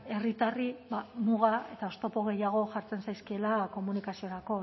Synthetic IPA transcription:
e̞rit̪aribamuɣae̞t̪ao̞st̪o̞po̞ɣ̞e̞jaɣ̞o̞ʝaɾt͡se̞nsajskielako̞munikasio̞ɾako̞

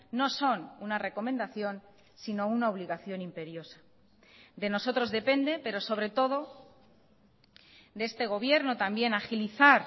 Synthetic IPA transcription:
no̞so̞nunare̞ko̞mend̪aθjo̞n | sino̞unaoβliɣaθjo̞nimpe̞ɾjo̞sḁ | d̪e̞no̞so̞t̪ɾo̞zðe̞pe̞nd̪e̞pe̞ɾo̞so̞β̞ɾe̞t̪o̞ðo̞ | d̪eest̪e̞ɣ̞o̞β̞je̞ɾno̞t̪ambje̞naxiliθaɾ

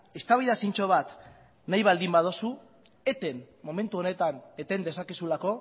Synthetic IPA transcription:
e̞st̪aβiðasint͡ʃo̞β̞at̪ | najβald̪imbað̞osu | e̞t̪e̞n | mo̞me̞nt̪uo̞ne̞t̪ane̞t̪e̞nd̪e̞sakisulako̞

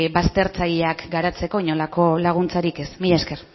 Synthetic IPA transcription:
bast̪e̞ɾt͡saʎeakɡaɾat͡se̞ko̞iɲolako̞laɣ̞unt͡saɾike̞smiʎaske̞r

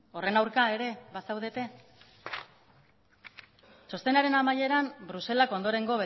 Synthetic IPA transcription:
o̞re̞nawɾkae̞ɾe̞βasawðet̪e̞ | so̞st̪e̞naɾe̞namaje̞ɾambɾuse̞lako̞nd̪o̞ɾe̞ŋɡo̞βe

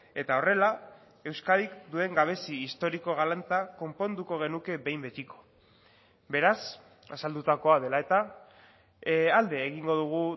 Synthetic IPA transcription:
e̞t̪ao̞re̞la | e̞wskaðikd̪ue̞ŋɡaβ̞e̞siːst̪o̞ɾiko̞ɣ̞alant͡s̪ako̞mpo̞nd̪uko̞ɣ̞e̞nuke̞βe̞jmbe̞t̪iko̞̥ | be̞ɾas | asald̪ut̪ako̞aðe̞lae̞t̪a | ald̪e̞ːɣ̞iŋɡo̞ðuɣ̞u

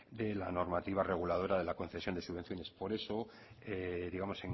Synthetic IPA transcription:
d̪e̞lano̞ɾmat̪iβ̞are̞ɣ̞ulað̞o̞ɾaðe̞lako̞n̟θejo̞nd̪esuβe̞nθjo̞ne̞spo̞ɾe̞so̞ | eðiɣamo̞se̞ŋ

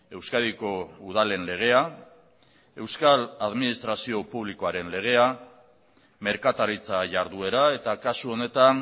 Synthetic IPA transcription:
e̞wskaðiko̞uð̞ale̞nle̞ɣ̞e̞a | e̞wskalaðminist̪ɾasio̞puβ̞liko̞aɾe̞nle̞ɣ̞e̞a | me̞ɾkat̪aɾit͡saʝaɾðue̞ɾae̞t̪akasuo̞ne̞t̪an

